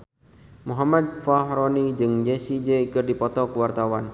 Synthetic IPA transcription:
muɦamad̪̚faɦɾɔnid͡ʒɨŋd͡ʒesid͡ʒeikɨrdipɔt̪ɔkəwart̪awan

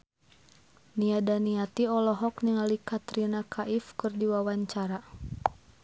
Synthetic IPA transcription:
niadaniat̪iɔlɔɦɔkniŋalikat̪ɾinakʰaʔifkɨrdiwawaɲt͡ʃaɾa

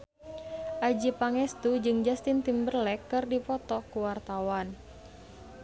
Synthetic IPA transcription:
ʔad͡ʒipaŋɛst̪ud͡ʒɨŋd͡ʒast̪int̪imbərlɛkːɨrdipɔt̪ɔkuwart̪awan

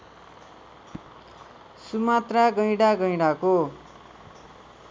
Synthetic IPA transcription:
sumat̪raɡʌjɽaɡʌjɽako

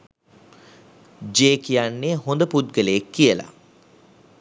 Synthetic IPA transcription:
d͡ʒeːkijanːeːɦond̪əput̪̚ɡələjekːijəla̰

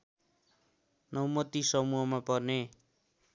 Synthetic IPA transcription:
nʌwmʌt̪isʌmuɦʌmapʌrne

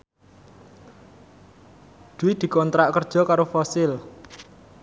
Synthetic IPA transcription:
d̪̥uɪd̪̥i̤kɔnt̪ɾaʔkərd̥ʒ̥ɔ̤kaɾofɔsɪl

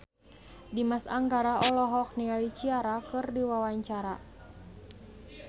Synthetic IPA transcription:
dimasa̰ŋɡaɾaʔɔlɔɦɔk̚nialit͡ʃiaɾakɨrdiwawaɲt͡ʃaɾa

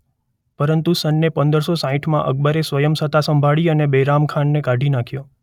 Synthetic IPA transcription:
pəɾənt̪usənːepənd̪əɾsosãɦiʈʰmãʔə̰ɡ̚bəɾesʋəjəmsət̪asəmbʱaɭiənebeɾamkʰanːekaɖʱinakʰjo

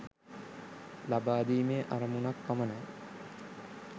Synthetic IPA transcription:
labaːd̪iːmeːʔaɾɐmunakːaməna

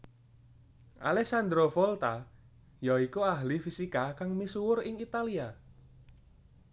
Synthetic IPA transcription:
ʔa̰lɛksand̪ɾofɔlt̪a | jaikuaɦlifisikakaŋmisuwʊrɪŋit̪alia

